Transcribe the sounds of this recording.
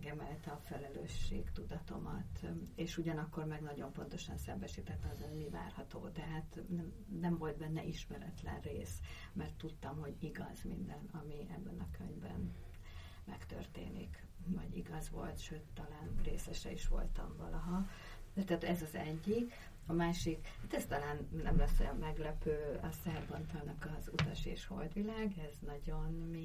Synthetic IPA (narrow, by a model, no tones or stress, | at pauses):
ɡɛmɛlt̪ɛɒfɛlɛløːʃːḛːɡt̪ud̪ɒt̪o̞mɒt̪eːʃuɟɒnɒkːo̞rmɛɡnɒɟo̞mpo̞n̪t̪o̞ʃɒnsɛmbɛʃiːt̪ɛt̪ːɛmɒzenmiva̰ːrhɒt̪oːd̪ɛɦaːt̪nɛm | nɛmvo̞lt̪̚bɛnːɛʔiʃmɛɾɛt̪lɛ̰nreːs | mɛrt̪ːut̪ːɒmho̞ɟiɡɒ̰z̥mind̪ɛnɒmiʔɛbːɛnɒkøɲvbɛ̰n | mɛkt̪ø̰rt̪ḛːnḭk | vɒɟḭɡɒzʋo̞̰lt̪ʃøːt̪ːɒlaːnreːsɛʃɛiʃʋo̞̰lt̪ɒɱvɒlɒɦɒ | d̪ɛt̪ɛːt̪ɛzɒzɛɟːik | ɒmaːʃikhaːt̪ɛst̪ɒlaːnnɛ̰mlɛsːɛmɛɡlɛpøːɒsɛrbɒnt̪olnɒkɒzut̪ɒʃeːʃho̞̰ld̪ʋilaːɡɛznɒɟo̞nmi